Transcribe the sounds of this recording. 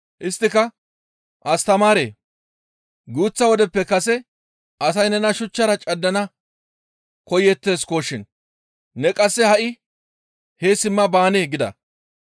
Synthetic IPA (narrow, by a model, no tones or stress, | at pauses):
ʔɪst̪ːɪkɐ | ʔɐst̪ɐmaːɾḛː | ɡuːt͡sːɐwɔd̪ɛpːɛkɐsɛ | ɐsɐjnɛnɐʃʊt͡ʃːɐɾɐt͡ʃʼɐdːɐnɐ | kɔjɛt̪ːe̞ːskoːʃːɪn | nɛkʼɐsːɛhɐʔɪ | hesɪmːɐbaːneːɡɪd̪ɐ̰